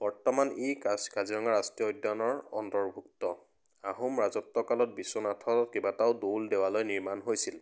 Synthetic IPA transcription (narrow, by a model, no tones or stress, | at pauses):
b̥ɔɹtɔmanejkaskaziɹɔŋaɹastijɔojdanɔɹɔ̰ntɔɹbʱuk̚tɔ | aɦumɹazɔtːɔkalɔt̚bisːɔnatʰɔɔt̚kebataʊdoldewalojniɹmanɦojsil